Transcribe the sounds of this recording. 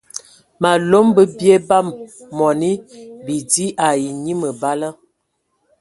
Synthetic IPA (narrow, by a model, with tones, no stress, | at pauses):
ma˨lo˦mbə˦bje˦ba˦mːɔ˨ni˦bi˨di˦ʔa˨ji˨ɲi˦mə˨ba˦lə˦